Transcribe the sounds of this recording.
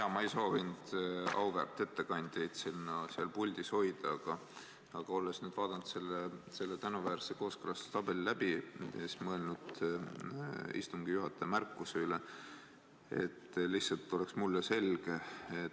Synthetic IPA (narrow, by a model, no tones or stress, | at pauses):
ɑmɑejso̞ːvind̪̥ɑ̰wvæ̰rt̪ːˑe̞t̪ːe̞kɑnʲd̪̥ʲejd̪̥sinːɑsiɑlpulʲd̪̥isho̞jd̪̥ɑɑɡ̥ɑ | ɑɡ̥ɑo̞lːesnyːd̪̥vɑːd̪̥ɑnd̪se̞lːese̞lːet̪ænuvæːɾseko̞ːskɤlɑst̪t̪ɑb̥e̞lilæb̥iesmɤe̞lnud̪̥ | ḭst̪uŋɡ̥ijuɦɑt̪ːˑemærkːˑuseyle | ḛt̪ːˑlihsɑlt̪ːˑo̞leksmulːese̞lɡ̥e̞e